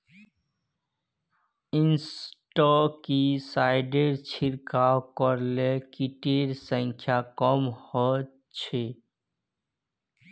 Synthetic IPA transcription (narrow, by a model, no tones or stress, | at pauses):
insʈɔkisaɪɖeɾt͡ʃʰiɾkawkɔɾlekiʈeɾsə̃ŋkʰjakɔmhɔ | t͡ʃʰe